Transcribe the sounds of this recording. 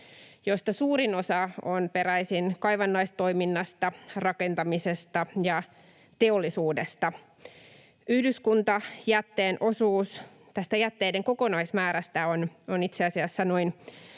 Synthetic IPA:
jo̞st̪ɑsuːɾino̞sɑonpe̞ɾæjsinkɑjʋɑnːɑist̪o̞iminːɑst̪ɑrɑke̞nt̪ɑmisest̪ɑjɑ | t̪eolːisuːdest̪ɑ | yhdyskunt̪ɑjæt̪ːeːnʔo̞suːs | t̪æst̪æjæt̪ːeːde̞ŋko̞ko̞nɑismæːɾæst̪æononit̪seɑsiɑsːɑnoin

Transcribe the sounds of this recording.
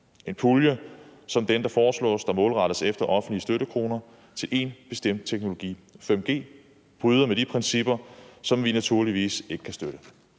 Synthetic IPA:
ʔe̝npʰuljəsɒ̽md̥end̥ɑ̈fɒːslɔ̰ːsd̥ɑ̈mɔ̽ːlʁɑ̈ɾ̥əsefd̥ɐʔɒ̽fn̩d̥liəsd̥øɾəkʰʁo̝ːnɐ | t͡sʰe̝lʔe̝nb̥e̝sd̥em̰d̥̚t͡sʰeɡ̥no̝lo̝ɡ̥ḭːfem̰ɡ̥e̝̰ː | b̥ʁyːð̞ˠɐmed̥ipʰʁɛnsib̥ɐsɒ̽mʋinæt͡sʰuɐ̰liʋḭːse̝ɡ̥ə̥kʰæsd̥øɾ̥ə

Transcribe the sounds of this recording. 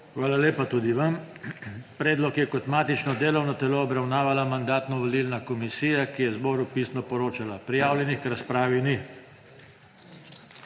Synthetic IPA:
xʋaːlaleːpat̪uːd̪iʋam | pɾɛːd̪lɔkjɛkɔt̪maːt̪it͡ʃnɔd̪eːlɔwnɔt̪ɛloːbɾawnaːʋalamand̪aːt̪nɔʋɔlilnakɔmisiːjakijɛzbɔːɾupiːsnɔpɔɾoːt͡ʃalapɾijaːwljɛnixkɾaspɾaːʋini

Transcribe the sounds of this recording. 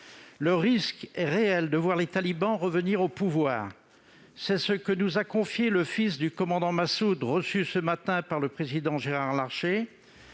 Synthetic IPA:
ləʁiskɛʁeɛld̪əvwaʁlet̪alibɑ̃ʁəvəniʁopuvwaːʁ | sɛsəkənuzakɔ̃fjeləfis̬d̪ykɔmɑ̃d̪ɑ̃masud̪ʁəsysəmat̪ɛ̃paʁləpχezid̪ɑ̃ʒeʁaʁlaʁʃe

